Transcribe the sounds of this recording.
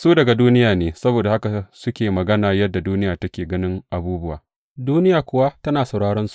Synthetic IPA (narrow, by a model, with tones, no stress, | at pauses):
suː˦dɐ˨ɡa˨duː˦nɪ˦jaː˨neː˨sɐ˦boː˨da˨ha˦ka˨sʊ˦kʲeː˨mɐ˨ɡɐ˦naː˨jɐ˦dːa˨duː˦nɪ˦jaː˨tɐ˦kʲeː˨ɡɐ˦nɪ˦ŋʔa˨buː˦bʊ˦wa̰ː˨ | duː˦nɪ˦jaː˨kʷʊ˨˦wa˦tɐ˦naː˨sa˨ɽaː˦ɽɔ˦nsu̥˨ʔ